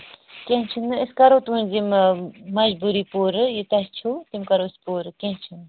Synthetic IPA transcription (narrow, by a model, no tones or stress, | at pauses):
kʲẽt͡ʃʰunɨiskɐɾot̪ʋunzimmɐd͡ʒbuɾiːpoːɾɨjit̪ɐst͡ʃʰut̪imkɐɾoːspoːɾɨkẽnt͡ʃʰun